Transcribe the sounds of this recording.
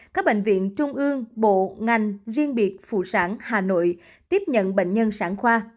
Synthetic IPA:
kaː˦˥k̚ɓḛ˧˨ŋ̟vḭ˧˨ənt͡ɕʊ˧ŋ͡mʔɨ˧əŋɓo̰˧˨ŋa˨˩jŋ̟zi˧ənɓi˨˩ət̚fṵ˧˨saː˨˦nhaː˨˩no̰˧˨j | t̪i˦˥əp̚ɲə̰˧˨nɓḛ˧˨jŋ̟ɲə˧nsaː˨˦ŋxwaː˧

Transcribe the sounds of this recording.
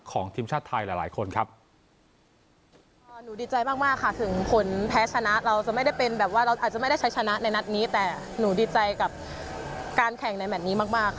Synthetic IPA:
kʰɔː˩˦ŋt̪ʰiː˧mt͡ɕʰaː˥˩t̪ʰːa˧jlɛ˨˩˦laː˩˦jkʰo˧nkʰa˦˥p̚ | ʔːnuː˩˦diː˨˩t͡ɕa˧jmaː˥˩k̚maː˥˩kʰːa˥˩t̪ʰɯ˩˦ŋkʰo˩˦npʰɛː˦˥t͡ɕʰa˧na˦˥ʔɾa˧wt͡ɕa˨˩ʔma˥˩jda˥˩jpe˧nbɛː˨˩p̚waː˥˩ɾa˧wʔa˨˩t͡ɕa˨ma˥˩jda˥˩jt͡ɕʰa˦˥jt͡ɕʰa˧na˦˥na˧jna˦˥t̪̚niː˦˥t̪ɛː˨˩ | nuː˩˦diː˨˩t̪̚t͡ɕa˧jka˨˩p̚ | kaː˧nkʰɛ˨˩ŋna˧jmɛː˨˩t̪̚niː˦˥maː˥˩k̚maː˥˩k

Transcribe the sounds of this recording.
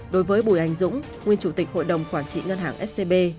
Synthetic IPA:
ɗo˨˦jvəː˨˦jɓu˧˩jʔa˨˩jŋ̟zʊ̰˧˥ŋ͡m | ŋwi˧ənt͡ɕu˧˩t̪ï˨˩k̟̚ho̰˧˨jɗə˨˩wŋ͡mkwaː˧˩nt͡ɕḭ˧˨ŋə˧nɦaː˧˩ŋʔɛ˦˥t̚se˧ɓe˧

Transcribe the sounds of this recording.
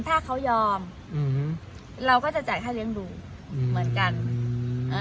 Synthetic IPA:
npʰaː˥˩kʰːa˦˥wjɔː˧m | ɾa˧wkɔː˥˩t͡ɕa˨˩t͡ɕa˨˩kʰaː˥˩lɯ˦˥əŋduː˧ | mɯ˩˦ənka˧nʔa˧

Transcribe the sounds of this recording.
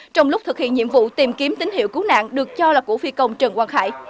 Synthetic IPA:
t͡ɕɔ˧wŋ͡mlʊ˦˥t̪ɨ˨˩k̚hḭ˧˨əɲḭ˧˨əmvṵ˧˨t̪i˨˩mki˨˦əmt̪ï˨˦ŋ̟hḭ˧˨wku˨˦na̰ː˧˨ŋɗɨ˨˩ək̚t͡ɕɔ˧laː˨˩kṵ˧˩əfi˧kə˧wŋ͡mt͡ɕə˨˩ŋkwaː˧nxa̰ː˧˩j

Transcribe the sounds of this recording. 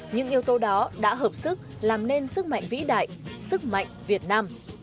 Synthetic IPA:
ɲɨ̰˧˥ŋʔi˧əwt̪o˨˧ɗɔ˨˦ɗa̰ː˧˥ɦəː˨˩p̚sɨ˦˥k̚ | laː˨˩mne˧nsɨ˦˥k̚ma̰˧˨jŋ̟vḭ˧˥ɗa̰ː˧˨jsɨ˦˥k̚ma̰˧˨jŋ̟vi˨˩ət̚naː˧m

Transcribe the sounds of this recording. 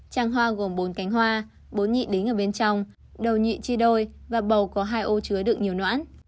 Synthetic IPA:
t͡ɕaː˧˩ŋɦwaː˧ɣo˨˩mɓo˨˦nka˨˦jŋɦwaː˧ | ɓo˨˦nɲḭ˧˨ɗï˨˦ŋ̟ʔəː˧˩ɓe˧nt͡ɕɔ˧wŋ͡m | ɗə˨˩wɲḭ˧˨t͡ɕi˧ɗo˧jvaː˨˩ɓə˨˩wkɔ˨˦ɦaː˧jʔo˧t͡ɕɨ˨˦əɗɨ˨˩ək̚ɲi˨˩əwnwa̰ː˧˥n

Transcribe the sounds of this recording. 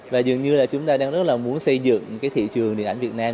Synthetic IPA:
vaː˨˩zə˨˩əŋɲɨ˧laː˨˩t͡ɕʊ˨˦ŋ͡mt̪aː˧ɗaː˧ŋzə˦˥t̚laː˨˩mu˨˦ənsə˧jzɨ̰˧˨ŋkaː˨˦jt̪ʰḭ˧˨t͡ɕɨ˨˩əŋhi˨əʔjŋvi˨˩ət̚naː˧m

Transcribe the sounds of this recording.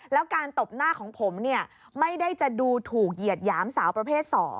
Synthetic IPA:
lɛː˦˥wkaː˧nt̪o˨˩p̚naː˥˩kʰɔː˩˦ŋpʰo˩˦mni˥˩ɐ | ma˥˩jda˥˩jt͡ɕa˨˩ʔduː˧t̪ʰuː˨˩k̚ji˨˩ət̪̚jaː˦˥msaː˩˦wpɾa˧pʰeː˥˩t̪̚sɔː˩˦ŋ

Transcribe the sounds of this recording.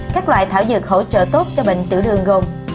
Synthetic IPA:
kaː˦˥k̚lwa̰ː˧˨jt̪ʰaː˧˩wzɨ˨˩k̚ho̰˧˥t͡ɕə̰ː˧˨t̪o˦˥t̚t͡ɕɔ˧ɓḛ˧˨ŋ̟t̪ɨ̰˧˨ɗɨ̰˧˩əŋɣo˧m

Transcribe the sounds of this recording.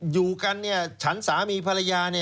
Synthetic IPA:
juː˨˩ka˧nːi˥˩ɐt͡ɕʰa˦˥nsaː˩˦miː˧pʰa˧ɾa˧jaː˧ni˥˩

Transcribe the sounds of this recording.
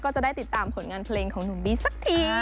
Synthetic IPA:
kɔː˧˥t͡ɕa˨˩ɗaː˥˩t̪i˨˩t̪t̪aː˧˩mpʰo˨˦nŋaː˧npʰleː˧ŋkʰɔː˨˩˦ŋnu˨˩˦ɓiː˧sa˦˥k̚t̪ʰi˧

